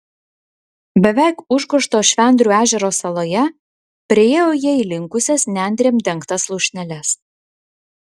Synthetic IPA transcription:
bʲɛʋʲæˑɪkʊʒɡʊʃt̪oːʃʲʋʲɛnʲd̪ʲɾʲuːæːʒʲɛɾoːsɐlˠoːjɛ | pʲɾʲɪeːjoːjɛiːlʲɪŋkʊsʲɛsnʲɛnʲd̪ʲɾʲeːmʲd̪ʲɛŋkt̪ɐslˠʊːʃʲnʲɛlʲɛs

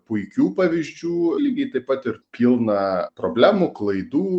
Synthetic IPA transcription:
pʊɪkʲuːpɑːʋʲizʲd͡ʒʲuːlʲɡʲɪt̪ɐɪppɐt̪ɪɾpʲiːlˠnɐpɾoːbʲlʲæːmuklˠɐɪd̪uː

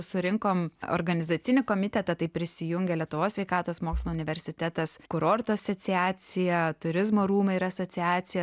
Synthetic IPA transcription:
sʊɾʲɪŋkoːmo̰ːɾɡɐnʲɪzɑːt͡s̪ʲɪnʲɪkoːmʲɪt̪ʲɛt̪ɐt̪ɐɪpʲɾʲɪsʲɪjʊŋʲɡʲɛlʲiɛt̪ʊʋoːsʲʋʲɛɪkɑːt̪oːsmoːkslˠoːʊnʲɪʋʲɛɾʲsʲɪt̪ʲæt̪ɐskʊɾoːɾt̪oːɐsoːsʲɪæːsʲɪjɛt̪ʊɾʲɪzmoːɾuːmɐiːɾɐɐsoːsʲɪæːsʲɪjɛ

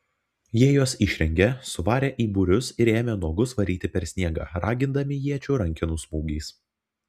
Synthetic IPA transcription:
jiɛjoːsɪʃʲɾʲɛŋʲɡʲɛsʊʋɑːɾʲeːʔiːbuːɾʲʊsɪɾeːmʲɛd̪uɔɡʊsʋɐɾʲiːt̪ʲɪpʲɛɾʲsʲnʲiɛɡɑ̰ːɾɑːɡʲɪnd̪ɐmʲɪjiɛt͡ʃʲuːɾɐŋʲkʲɪnuːsmuːɡʲɛɪs

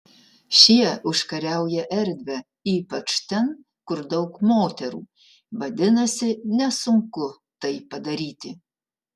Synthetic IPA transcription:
ʃʲiɛʊʃkɐɾʲæˑʊjɛʔɛɾʲd̪ʲʋʲɛ | iːpɐt͡ʃt̪ʲɛn | kʊɾd̪ɐʊkmoːt̪ʲɛɾṵː | ʋɐd̪ʲɪnɐsʲɪnʲɛsʊŋkʊ | t̪ɐɪpɐd̪ɐɾʲiːt̪ʲɪ

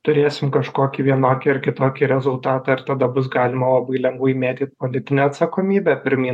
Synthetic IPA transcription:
t̪ʊɾʲeːsʲɪmkɐʃkoːkʲiːʋʲiɛnoːkʲiɪɾkʲɪt̪oːkʲiɾʲɛzʊlˠt̪ɑːt̪ɑɪɾt̪ɐd̪ɐbʊs̬ɡɑːlʲɪmɐlˠɐbɐɪlʲɛŋɡʋɐɪmʲeːt̪ʲiːt̪̚poːlʲɪt̪ʲɪnʲɛːɐt̪sɐkoːmʲiːbʲɛpʲɪɾʲmʲiː

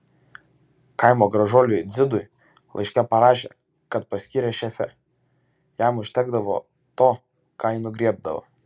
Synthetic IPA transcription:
kɑɪmoːɡɾɐʒoːlʲʊjd̪zʲɪd̪ʊɪ | lˠɐ̰ɪʃʲkʲɛpɐɾɑːʒʲḛː | kɐt̪̚pɐsʲkʲiːɾʲeːʃʲɛfʲɛ̰ | jæmʊʃʲt̪ʲæɡ̚d̪ɐʋo̰ː | t̪oː | kɑːiːnʊɡɾʲiɛb̚d̪ɐʋo̰

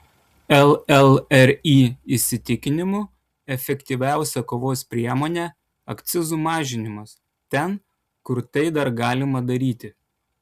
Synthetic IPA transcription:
ɛlˠɛlˠɛɾiːɪsʲɪt̪ʲɪkʲɪnʲɪmʊ | ɛfʲɛkʲt̪ʲiːʋʲæˑʊsʲɛkoːʋoːspʲɾʲiɛmoːnʲɛ | ɐkt̪sʲɪzuːmɑːʒʲɪnʲɪmɐs | t̪ʲɛn | kʊɾt̪ɐɪd̪ɐɾɡɑːlʲɪmɐd̪ɐɾʲiːt̪ʲɪ

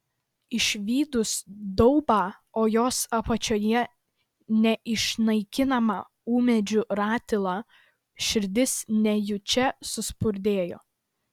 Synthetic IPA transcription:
ɪʃʲʋʲiːd̪ʊsd̪ɔʊbɑːoːjoːsɐpɐt͡ʃʲoːjɛ | nʲɛʔɪʃnɐɪkʲɪnɐmɑ̰ː | uːmʲɛd͡ʒʲʊɾɑːt̪ʲɪlˠɑː | ʃʲɪɾʲd̪ʲɪsnʲɛjʊt͡ʃʲɛsʊspʊɾʲd̪ʲeːjo̰ː

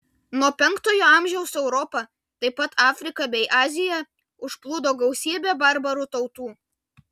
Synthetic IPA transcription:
nuɔpʲɛŋˑkt̪oːjoːɐˑmʲʒʲɛʊsɛʊɾɔpɐ | t̪ɐɪpɐt̪ʰɑːfʲɾʲɪkɐbʲɛɪʔɑːzʲɪjɛ | ʊʃplˠuːd̪oːɡɒʊsʲiːbʲæːbɐɾbɐɾʊt̪ɐʊt̪uː

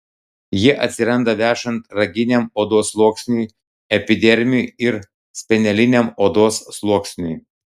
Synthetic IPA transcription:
jiɛʔɐt̪ʲsʲɪɾɐnd̪ɐʋʲæːʃɐnt̪ɾɐɡʲɪnʲemoːd̪oːslˠuɔksʲnʲuj | ɛpʲɪd̪ʲɛɾʲmʲɪuɪɾ | sʲpʲɛnʲɛlʲɪnʲemoːd̪oːsːlˠuɔksʲnʲuj

